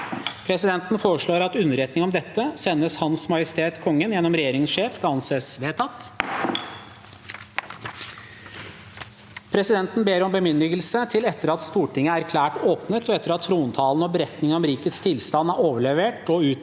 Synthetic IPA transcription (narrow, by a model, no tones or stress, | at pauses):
pʰɾɛsɪd̪ɛnt̪n̩foːɾəʂɭoːɾɑt̪ʉnəɾɛt̪nɪŋɔmd̪ɛt̪ːəsɛnːəshɑnsmɑjɪst̪ʰeːt̪kʰɔŋːənjɛnːɔmɾɛjeːɾɪŋsʂeːfɑnseːsʋeːt̪ʰɑt̪ː | pʰɾɛsɪd̪ɛnt̪n̩beːɾɔmbəmʏnd̪ɪɡəlsət̪ʰɪlɛt̪ːəɾɑt̪st̪uːʈɪŋːəæɾkʰlæːʈoːpnət̪ɔɛt̪ːəɾɑt̪ʰːɾuːnt̪ʰɑːln̩ɔbəɾɛt̪nɪŋənɔmɾiːkət̪st̪ʰɪlst̪ɑnːæɾoːʋəɭɛʋeːʈɔʉː